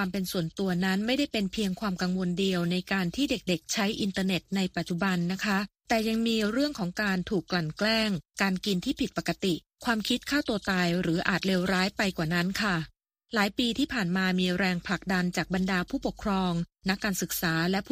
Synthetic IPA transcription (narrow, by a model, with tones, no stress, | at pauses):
aː˧mpe˧nsu˨˩ənt̪u˧ɐna˦˥nma˥˩jda˥˩jpe˧npʰi˧əŋkʰwaː˧mka˧ŋwo˧ndi˧əwna˧jkaː˧nt̪ʰiː˥˩de˨˩k̚de˨˩k̚t͡ɕʰa˦˥jʔi˧nt̪ɤː˧ne˨˩t̪̚na˧jpa˨˩t̪̚t͡ɕu˨˩ba˧nːa˦˥kʰa˦˥ʔt̪ɛː˨˩ja˧ŋmiː˧ɾɯ˥˩əŋkʰɔː˩˦ŋkaː˧nt̪ʰuː˨˩kːla˨˩nklɛː˥˩ŋkaː˧nki˧nt̪ʰiː˥˩pʰi˨˩t̪̚pa˨˩kːa˧t̪i˨˩ | kʰwaː˧mkʰi˦˥t̪̚kʰaː˥˩wt̪u˧ɐt̪aː˧jɾɯː˩˦ʔa̰ː˨˩t̪̚leː˧wɾaː˦˥jpa˧jkwaː˨˩na˦˥nkʰa˥˩ | laː˩˦jpiː˧t̪ʰiː˥˩pʰaː˨˩nmaː˧miː˧ɾɛː˧ŋpʰla˨˩k̚da˧nt͡ɕaː˨˩k̚ba˧ndaː˧pʰuː˥˩po˨˩kʰɾɔː˧ŋna˦˥kːaː˧nsɯ˨˩k̚saː˩˦lɛ˦˥ʔpʰː